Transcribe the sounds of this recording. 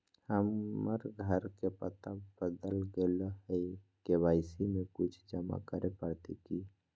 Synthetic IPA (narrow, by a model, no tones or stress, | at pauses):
həməɾɡʱəɾkepət̪abəd̪əlɡelɦəɪ | kebaɪsimekut͡ʃʰd͡ʒəma̰kəɾepəɾt̪iki